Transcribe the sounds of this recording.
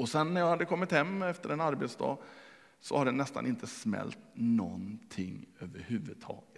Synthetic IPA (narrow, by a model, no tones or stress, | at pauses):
ɔsɛnːæɾjɑɡhad̪ːəkʰɔmːɪt̪hɛmːɛft̪əɾɛnaɾbeːt̪sd̪ɑ̰ː | sɔhaɖ̪ɛnːɛst̪a̰nɪnt̪ʰəsmɛ̰lt̪nɔnt̪ʰɪŋːøːvəɾhʉ̟ːvɵd̪̚t̪ʰɑːɡət̪